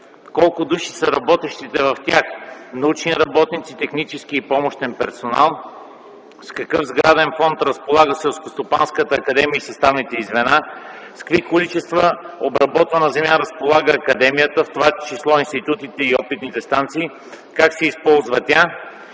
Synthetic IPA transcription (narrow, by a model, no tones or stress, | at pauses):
kɔlˠkʊd̪uʃi̥səɾɐbɔt̪ɛʃt̪it̪ɛvɐft̪ʲaxnɐut͡ʃniəɾɐbɔt̪nit̪sit̪ɛxnit͡ʃɛsk̟iːpɔmoʃt̪ɛnpɛ̰ɾsona̰lˠ | skɐkɤfzɡɾad̪ɛnfɔnt̪ɾəspolˠaɡəsɛlˠskost̪opanskət̪əːkɐd̪ɛmiəisɐst̪avnit̪ɛizvɛna | skvikolit͡ʃɛst̪vəobɾɐbɔt̪vənəzɛmjaɾəspolˠaɡəːkɐd̪ɛmijət̪əft̪ovat͡ʃislˠɔinst̪it̪ut̪it̪ɛiɔpit̪nit̪ɛst̪ant̪siː | kaksɛispɔlˠzvət̪ʲa